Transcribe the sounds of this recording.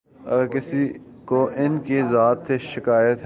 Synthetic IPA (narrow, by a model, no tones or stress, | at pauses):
ɔkɪsi | koʔɪnkezaːt̪seʃɪkaːjət̪ɦ